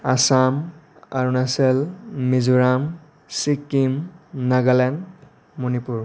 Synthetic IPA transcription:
asam | a̰ɹunasɛlmizuɹam | sikːimnaɡalɛn | munipuɹ

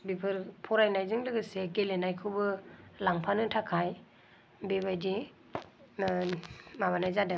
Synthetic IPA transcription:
bipʰɯɾpʰɔɾajnajzɯŋlɯɡɯseɡelenajkʰɯwbɯlaŋpʰanɯtʰakʰaj | bebajdi | maβanajzadɯ

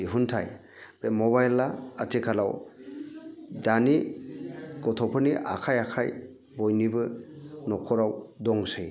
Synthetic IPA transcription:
iɦuntʰaj | bemɔbajlːaːtʰikʰala̰w | dani | ɡɔtʰɔpʰɯniʔa̰kʰajakʰaj | bɔjnibɯnɔkʰɔɾawdɔŋsɯj

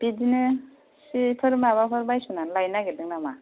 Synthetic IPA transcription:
b̥idinɯ | sipʰɯɾmabapʰɯɾbajsunanlajnaɡedɯŋnama

